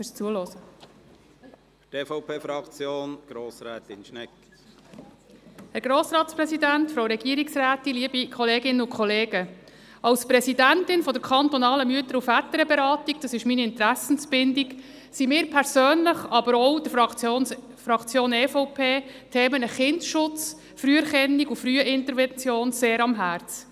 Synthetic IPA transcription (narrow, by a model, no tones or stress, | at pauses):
fɪɾst͡suəlɔsə | teːfɔʊpʰeːfɾɑkt͡sjoːnɡ̥ɾoːsɾɛːt̪ɪnʃnɛk | hɛɾɡɾoːsɾɑːtsprɛsid̪ænt̪fɾowɾɛɡ̥iːəɾiksræːt̪iliəbikʰχɔleːɡɪnəʊkχɔleːɡ̥ə | ʔɑwspɾɛsidæntɪnfɔdəɾkʰɑnt̪ɔnɑːləmyətəɾufætəɾəbɛɾɑːtiɡ̥d̥ɑsɪʃminiɪnt̪ɾæsən̩sb̥ɪndiɡ | simɪːɾpʰɛɾsøːnləχɑbəɾɔwd̥̪ə | fɾɑkt͡sjoːnɛfɔʊpʰeːtʰeːmənəχɪndʃʊt͡s | fryːɛɾχɛnːiɡufɾyːəʔɪntəɾvɛnt͡sjoːnseːɾɑmɦæɾt͡s